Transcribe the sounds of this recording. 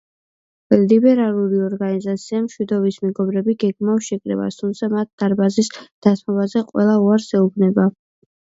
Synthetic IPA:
libɛɾalˠuɾiɔɾɡanizat̪sʰiamʃwid̪ɔbismɛɡɔbɾɛbiɡɛɡmafʃɛkʼɾɛ̰ba̰st̪ʰumt̪sʰamat̪̚d̪̥aɾbazisd̪̥at̪ʰmɔbazɛqʼwɛ̰lˠauaɾsɛubnɛba

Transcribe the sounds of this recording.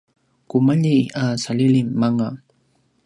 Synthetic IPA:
kʊmaʎiasalɪlimːaŋa

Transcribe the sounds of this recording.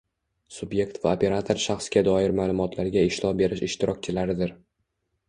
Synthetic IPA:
sʊbje̞k̚ʲt̪vaopʰʲe̞ɾat̪ʰo̞ɾʃaχsɡʲad̪ɒɪɾmaːlˠʊmɒt̪ʰlaɾɡʲaɪʃlɒbe̞ɾɪʃɪʃt̪ɪɾɒk̚ʲt͡ʃʰɪlaɾɪd̪ɪɾ

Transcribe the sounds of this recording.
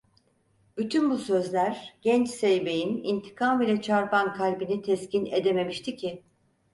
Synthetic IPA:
byt̪ʰynbusø̞zlʲæɾɟ̥ɛnt͡ʃsejbejinḭnt̪ʰi̥kʰamilʲɛt͡ʃʰaɾpankʰalʲbinit̪ʰɛscʰined̪e̞me̞miʃt̪ʰicʰɪ

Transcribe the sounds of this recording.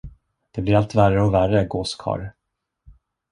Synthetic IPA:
d̪̥ɛblɪɾalt̪værəɔværəɡoːskʰɑ̰ːɾ

